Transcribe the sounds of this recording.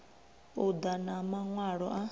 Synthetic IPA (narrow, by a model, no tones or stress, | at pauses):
ud̪anamaŋwaɺɔʔa